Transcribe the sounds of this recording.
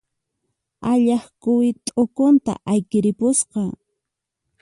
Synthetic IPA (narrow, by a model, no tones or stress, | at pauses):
aʎɑχkʊwɪt̪ʼokont̪a̰ʔajkɪɾɪpʊsqɑ